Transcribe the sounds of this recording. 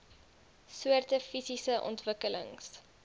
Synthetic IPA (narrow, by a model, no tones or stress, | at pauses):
suərtəfisisəʔɔ̰ntvəkələ̰ŋs